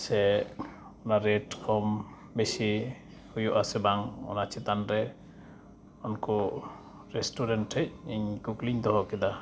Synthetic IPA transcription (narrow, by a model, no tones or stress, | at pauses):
sɛ | ɔnaɾɛʈkʰɔm | bɛsi | hujɔʔasɛbaŋɔ̰nat͡ʃʰɛt̪anɾɛ | ɔnkɔ | ɾɛsʈɔɾɛnʈɾɛc̚iɲkukliɲd̪ɔɦɔkɛd̪a